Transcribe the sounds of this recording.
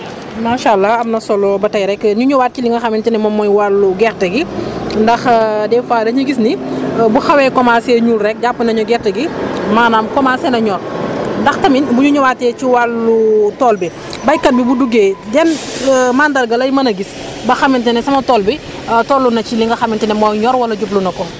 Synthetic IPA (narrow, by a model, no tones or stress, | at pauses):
maːʃalːɐɐmnɐsɔlɔbɐtɐjɾɛkːɲuɲuwaːt̚ciliŋɡɐxɐmintɛnɛmɔmːɔjwalːuɡɛɾtɐɡindɐxdɛfaːdɐɲuɡisnibuxɐwɛːkɔmaːsɛːɲulrɛk̚ɟapːunɐɲɔɡɛrtɐɡimaːnaːmkɔmaːsɛnɐɲɔːrndɐxtɐminbuɲuɲuwaːtːɛːt͡ʃiwalːutɔːlbi | bɐjkɐt̚bibuduɡeːdɛnmaːndɐɾɡɐlɐjmɐnɐɡis | bɐxɐmintɛnɛsɐmɐtɔːlbi | tɔːlːunɐciliŋɡɐxɐmintɛnɛmɔjɲɔɾwɐlɐɟub̚lunɐkɔ